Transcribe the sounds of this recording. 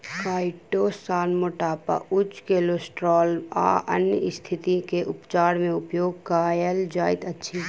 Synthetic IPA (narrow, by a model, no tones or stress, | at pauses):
kaːɪʈoːsaːnmoːʈaːpa̰ʔʊt͡ʃkeːlosʈɾɔːla̰ːʔə̰njəɪst̪ʰɪt̪ikeʔʊpt͡ʃaːɾmẽʊpjoːɡ̚kaːjəld͡ʒaːɪt̪ətːʃʰiː